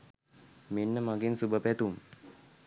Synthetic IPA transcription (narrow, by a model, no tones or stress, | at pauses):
menːəmaɡensubəpæt̪um